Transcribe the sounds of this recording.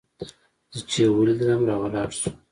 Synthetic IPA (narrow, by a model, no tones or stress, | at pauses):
z̥ət͡ʃewəlid̪ɾamɾɑwalɑɽsu̥